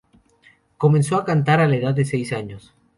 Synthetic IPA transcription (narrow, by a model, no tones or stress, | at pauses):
ko̞mẽnso̞akant̪aɾalaeðaðːese̞jsaɲos